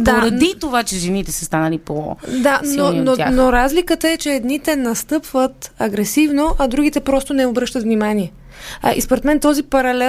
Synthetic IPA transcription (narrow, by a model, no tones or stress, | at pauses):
d̪aoɾɐd̪it̪ovat͡ʃɛʒɛnit̪ɛsəst̪anɐlipo̰d̪anonoanoɾazlikət̪əɛt͡ʃɛɛd̪nit̪ɛnɐst̪ɤpvət̪ɐɡɾɛsivnoʔɐd̪ɾuɡit̪ɛpɾɔst̪onɛobɾɤʃt̪ət̪vnʲimaniɛ | ʔḭspoɾɛt̪mɛnt̪ɔzipɐɾɐlɛ